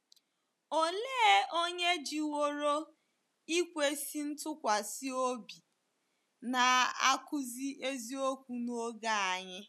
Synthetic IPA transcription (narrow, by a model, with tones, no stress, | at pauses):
o˦leː˦o˦ɲe˦d͡ʒi˨wo˦ɾo˦ | i˦kʷe˦si˦n̩˦tʊ˦kʷa˨si˦o˦bi˨ | na˨a̰˦kʊ˦zi˦ʔe˦zi˦o˦kʷu˨no˦ɡa˦a˨ɲɪ˦